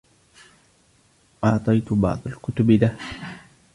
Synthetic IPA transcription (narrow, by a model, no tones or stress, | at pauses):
ʔɑʕt̪ˤɑjt̪bɑ̰ʕd̪ˤɑlkʊt̪ʊbd̪ah